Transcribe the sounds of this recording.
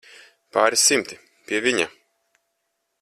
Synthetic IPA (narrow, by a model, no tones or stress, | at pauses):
paːɾisimt̪i | pʲiɛvʲiɲa